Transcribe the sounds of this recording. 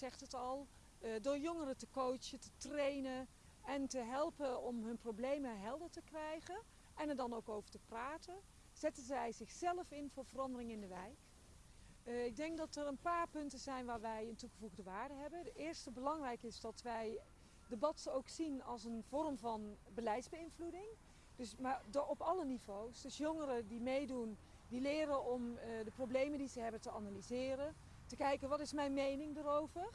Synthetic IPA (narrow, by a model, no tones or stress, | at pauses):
z̥ɛχtɦətɑlˠ | dʊːɹjoŋərətəkowt͡ʃətətrejnən | ɛntəɦɛlˠpəɔmɦɵnprowblejmənɦɛlˠdəɹtəkrɛjχən | ɛnɛɹdɑnowkowvəɹtəpraːtən | z̥ɛtənzɛjzɪχsɛləfɪnvʊːɹvərɑndərɪŋɪndəʋɛjk | ɪɡ̚dɛŋk̚dɑtərənpaːɹpɵntəzɛjnʋaːɹʋɛjəntuχəvuɣdəʋaːɹdəɦɛbəndəɪːɹstəbəlɑŋrɛjkɪzdɑtʋɛj | dəbɑtowksinɑlˠsənv̥ɔrmvɑnbəlɛjtzbəɪnvludɪŋ | d̥ɵsmadɔpɑlənivowsdɵsjɔŋərədimejdun | dilɪːɾənɔmdəprowblejməndizəɦɛbəntəanalizɪːrən | təkɛjkənʋɑtɪsmɛjnmejnɪŋdərowvəɹ